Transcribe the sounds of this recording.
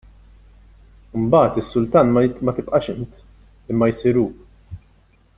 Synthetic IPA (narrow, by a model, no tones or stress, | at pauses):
ɪmbɐːt̪ɪsːʊlt̪ɐːnmmɐt̪ɪpʔɐʃɪnt̪ | ɪmːɐjsiɾuː